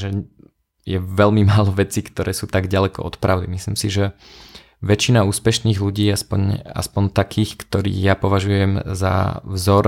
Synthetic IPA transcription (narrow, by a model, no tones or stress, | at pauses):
ʒɛ | jɛʋɛlmimaːlɔʋɛt͡siːkt̪ɔɾɛːsuːt̪aɡɟalɛkɔ̰ɔt̪pɾaʊd̪ḭmislḭːmsiʒɛ | ʋɛt͡ʃinauːspɛʃniːɣluɟiːaspɔ̰ɲa̰spɔɲt̪akʰiːxkt̪ɔɾḭːɣjapɔʋaʒujɛmza̰vzɔɾ